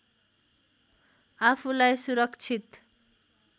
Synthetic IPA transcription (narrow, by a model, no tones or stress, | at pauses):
apʰulajsuɾʌkt͡sʰit̪